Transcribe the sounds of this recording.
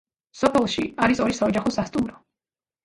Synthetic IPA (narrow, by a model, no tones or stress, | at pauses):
sɔpʰɛlˠʃḭaɾisɔɾisaɔd͡ʒaχɔsast̪ʼumɾɔ